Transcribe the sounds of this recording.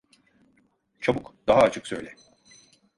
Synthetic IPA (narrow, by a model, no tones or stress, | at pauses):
t͡ʃʰabukd̪̥aɦaːt͡ʃʰɯksø̞̰jlʲɛ